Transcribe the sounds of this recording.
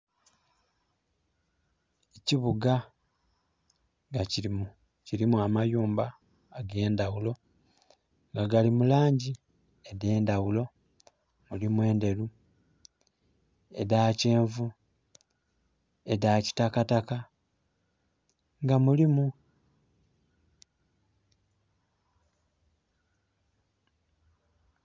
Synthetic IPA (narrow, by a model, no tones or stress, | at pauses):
eciβuɡa | ŋɡaciɾimu | ciɾimuamajuːmbaː | ɡe̞ːndawulo̞ | ŋɡaɡalimulaːɲɟi | eðe̞ːndawulo̞ | mulimwe̞ːnde̞lu | e̞̰dace̞ːɱvu | e̞daci̥takataka | ŋɡamulimu